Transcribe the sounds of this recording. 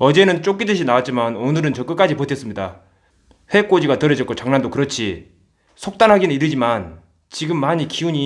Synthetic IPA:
ʌd͡ʑe̞nɯnt͡ɕ͈ok͈idɯɕ̬ʰinawat̚t͡ɕ͈imanonɯɾɯnt͡ɕʌk͈ɯk͈ad͡ʑipotʰes͈ɯmɲida̰ | ɸwe̞k͈od͡ʑiɡatʌɾʌd͡ʑʌt̚k͈ot͡ɕaŋnandokɯɾʌt͡ɕʰi | sʰok̚t͈anɦaɡinɯniɾɯd͡ʑiman | t͡ɕiɡɯmːaɲikiuɲi

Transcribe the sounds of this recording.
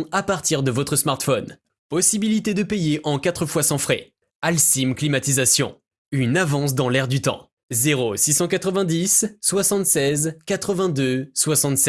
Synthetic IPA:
apaʁt̪iʁd̪əvɔt̪χəsmaʁt̪fɔn | pɔsibilit̪ed̪əpejeʔɑ̃kat̪χəfwasɑ̃fχɛ̰ | alsimklimat̪izasjɔ̰̃ | ynavɑ̃s̬d̪ɑ̃lɛʁd̪yt̪ɑ̰̃ | zeʁosisɑ̃kat̪χəvɛ̃d̪isːwasɑ̃t̪sɛzkat̪χəvɛ̃d̪øswasɑ̃t̪sɛ

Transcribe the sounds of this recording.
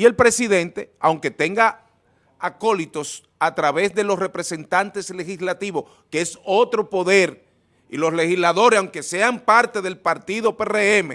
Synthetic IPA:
ie̞lpɾe̞siðe̞nt̪e̞awŋke̞t̪e̞ŋɡa | ako̞lit̪o̞s | at̪ɾaβe̞sðe̞lo̞sre̞pɾe̞se̞nt̪ant̪e̞sle̞xislat̪iβo̞s | keeso̞t̪ɾo̞po̞ðe̞ɾ | ilo̞sle̞xislaðo̞ɾesawŋke̞se̞ampaɾt̪e̞ðe̞lpaɾt̪iðo̞pereeme

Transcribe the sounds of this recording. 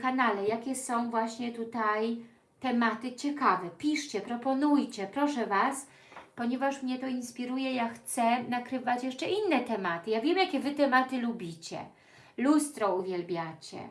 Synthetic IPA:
kanalɛjakʲɛsɔ̃w̃vwaɕɲɛt̪ut̪aj | t̪ɛmat̪ɘt͡ɕɛkavɛpʲiʂt͡ɕɛpɾɔpɔnujt͡ɕɛpɾɔʂɛvas | pɔɲɛvaʂmɲɛt̪ɔinspʲiɾujɛjaxt̪sɛnakɾɘvat͡ɕjɛʂt͡ʂɛʔinːɛt̪ɛmat̪ɘjavʲjɛmjakʲɛvɘt̪ɛmat̪ɘlubʲit͡ɕɛ̰ | lust̪ɾɔuvʲjɛlbʲjat͡ɕɛ̰

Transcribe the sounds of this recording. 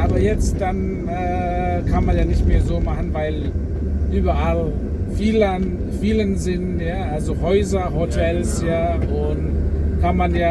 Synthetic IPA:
ʔaːbɐjɛt͡st̚d̥an | ʔɛː | kʰanmanjaːnɪçtmeːɐzoːmaχn̩vaɪl | ʔyːbɐʔal | fiːlən | fiːlənzɪntjaːʔalzoɦɔʏzɐhotʰɛlsjaːʔʊntkʰanmanjaː

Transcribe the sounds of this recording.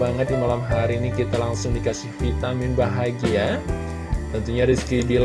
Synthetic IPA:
aŋət̪̚dimalamɦaɾiːnikit̪alaŋsʊŋdikasɪhfit̪amɪnbaɦaɡia | t̪ənt̪uɲaɾiskibil

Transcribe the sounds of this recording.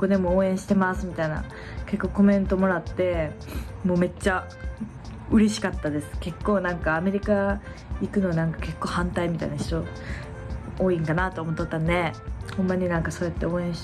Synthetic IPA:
ko̞d̪e̞mo̞oːẽ̞ɰ̃ɕi̥t̪emasɨmʲit̪aina̰ | ke̞kːo̞ːko̞mẽ̞nt̪o̞mo̞ɾat̪ːe̞mo̞ːme̞t͡ɕːa | ɯ̟ɾe̞ɕi̥kat̪ːad̪e̞sɨ̥ke̞kːo̞ːnãŋkaːme̞ɾʲika | ikɯ̟no̞anãŋkḁke̞kːo̞ːhãnt̪aimʲit̪a̰inaçi̥t̪o | oːĩŋkanat̪oːmot̪ːot̪ːanːehõ̞mːaɲ̟inãŋkaso̞ːjat̪ːe̞o̞ːẽɰ̃ɕ

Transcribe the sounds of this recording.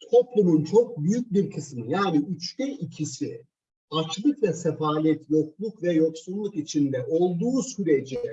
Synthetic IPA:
t̪ʰo̞plˠumunt͡ʃʰo̞k̚byjyc̚biɾkʰɯsmɯjaːniyt͡ʃt̪ʰɛicʰisi | at͡ʃlˠɯkvɛsefaːlʲɛt̪jo̞klˠukvɛjo̞ksunlːˠukit͡ʃʰind̪ɛʔo̞lˠd̪uːsyɾed͡ʒiɛ

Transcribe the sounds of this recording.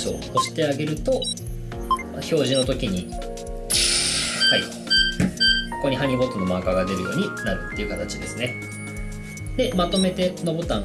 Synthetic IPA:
ɕio̰ːɕi̥t̪e̞aɡe̞ɾɯ̟t̪o̞ | maço̞ːʑino̞t̪o̞kʲiɲ̟i | haḭ | koko̞ɲ̟iɦaɲ̟iɡo̞t̪ːono̞makaɡad̪e̞ɾɯ̟jo̞̰ːɲ̟inaɾɯ̟t̪ːe̞iɯ̟kat̪at͡ɕid̪e̞sɨne̞ | d̪̥e̞mat̪o̞me̞t̪e̞nobo̞t̪ã

